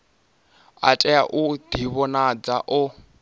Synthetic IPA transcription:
a̰tʼɛaʔud̪̥iβɔnad͡zaʔʊ

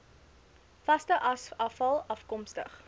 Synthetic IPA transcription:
fɐstəʔɐɐfɐlˠɐfkɔmstə̰χ

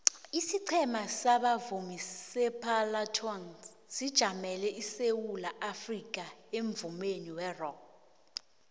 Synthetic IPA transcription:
isiǀʰɛmasaɓavumisɛpʰalatʰɔn | sid̥ʒ̥ʱamɛlɛʔisewulaʔafrik̬ʼaeɱvumeniwɛrɔk

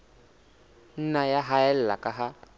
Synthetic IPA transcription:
n̩najaɦaɛl̩la̰kaɦa

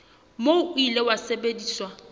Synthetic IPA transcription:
moʊilewasebediːswa

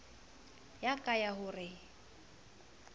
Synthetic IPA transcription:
jakʼajaɦʊrɪ

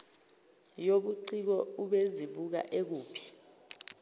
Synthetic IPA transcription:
joɓuǀik̬ɔuɓeziɓuk̬a̰ʔek̬uːpʰi̥

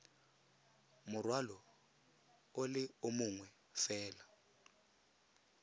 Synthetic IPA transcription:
mʊrwalɔ | olɪʊmʊŋwɛ | fɛːla

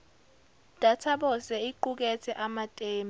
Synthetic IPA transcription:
d̥ʱatʰaɓɔsɛiǃuk̬ɛtʰɛʔamatʼeːm

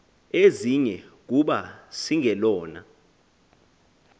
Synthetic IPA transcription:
eziɲɛk̬uɓasiŋʱɛlɔːna̰

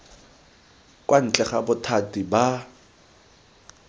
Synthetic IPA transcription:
kʼwan̩t͡ɬʼɛχabʊtʰatʼiba

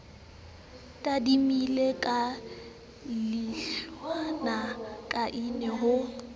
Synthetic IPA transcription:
tʼadimilekʼa | lɪʃwanakʼaʔɪnɛɦʊ

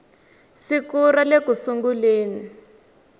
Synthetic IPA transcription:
sikuɾalekusuŋɡuleːni

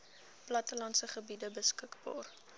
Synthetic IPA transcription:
plɐtəlɐntsəχəbidəbəskəkbɑ̰ːr

